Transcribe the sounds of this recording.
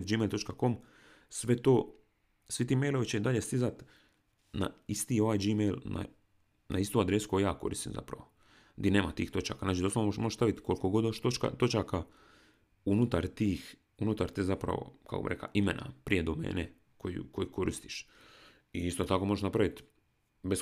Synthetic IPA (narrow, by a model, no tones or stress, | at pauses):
t̪d͡ʒiːmejlt̪o̞t͡ʃkako̞m | sʋe̞t̪oː | sʋit̪iːmejloʋit͡ɕeid̪aʎe̞st̪izat̪ | na̰ist̪io̞ʋaːjd͡ʒiːmejlna̰ | nʔa̰ist̪uad̪ɾesu̥kojjaːko̞ɾḭst̪imza̰pɾa̰ʋo̞ | d̪ineːmat̪iːxt̪o̞t͡ʃa̰kanaːt͡ʃid̪osoomoʒeʃsaʋit̪kolko̞ɡod̪oeʃt̪ot͡ʃka̰t̪o̞t͡ʃaka | unut̪aɾt̪iːx | unut̪aɾt̪ezapɾa̰ʋo̰ka̰kobḭɾekla̰ʔimḛna̰pɾije̞d̪omḛːne | kojṵko̞jiko̞ɾist̪i̥ʃ | iist̪ot̪akomo̞ʒeʃnapɾaʋit̪ | bes